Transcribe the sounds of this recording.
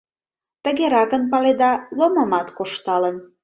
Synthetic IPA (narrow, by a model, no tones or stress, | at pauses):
t̪ə̆ɣeɾɑkənpɑled̪ɑloməmɑt̪koʃt̪ɑlən